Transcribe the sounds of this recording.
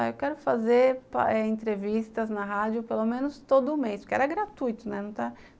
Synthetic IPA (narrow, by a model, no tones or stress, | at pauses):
ewkɛɾʊfazeɾpɛẽt̪ɾevist̪ɐznɐɦad͡ʒjʊpelomẽnʊst̪od̪ʊːmejspʊɾkeɛ̰ɾɐɡɾat̪ujt̪ʊnɛnɐ̃w̃t̪a